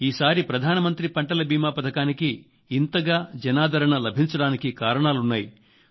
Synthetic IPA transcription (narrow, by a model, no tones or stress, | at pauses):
iːsaːɾipɾɐd̪ʱaːnɐmɐnt̪ɾipɐɳʈɐlɐbiːmaːpɐd̪ʱɐkaːnikiː | nt̪ɐɡaːd͡ʒɐnaːd̪ʱɐɾɐɳɐlɐbʱiɲt͡ʃɐɽaːnikikaːɾɐɳaːlunːaːji